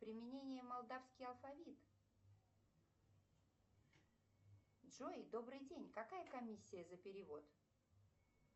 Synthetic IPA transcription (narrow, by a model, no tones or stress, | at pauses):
pɾʲɪmʲɪnʲenʲɪjəmɐlˠd̪afskʲɪjɐlˠfɐvʲit̪ | dʐojd̪o̞bɾɨjdʲenʲkɐkajəkɐmʲisʲːɪjəzəpʲɪɾʲɪvo̞t̪